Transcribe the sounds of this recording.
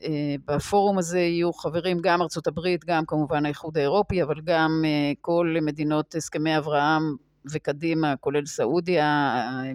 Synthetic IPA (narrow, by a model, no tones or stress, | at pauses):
ebafo̞ʁumaze̞ijuχave̞ʁimɡamaʁt͡so̞tabʁit̪ɡamkamuvanhajeχud̪ae̞ʁo̞piavalɡameko̞lme̞dino̞theskeme̞javʁaham | ve̞kadimako̞le̞lsaʔudia